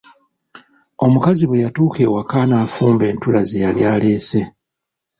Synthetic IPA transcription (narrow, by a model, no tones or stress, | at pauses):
o̞mukaziβwejatuːke̞ːwakaːnaːfuːmbe̞ːntulazejaljaːle̞ːse̞